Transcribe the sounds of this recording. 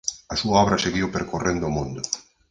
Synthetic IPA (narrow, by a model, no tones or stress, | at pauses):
asuaɔβɾaseɣiwpeɾkorend̪omũnd̪o